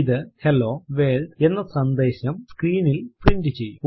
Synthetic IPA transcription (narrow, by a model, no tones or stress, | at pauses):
iðɨhelːo̞ːʋeld̪e̞nːɐsɐnd̪e̞ːɕɐmskriːnilpriɳɖɨt͡ɕe̞jːu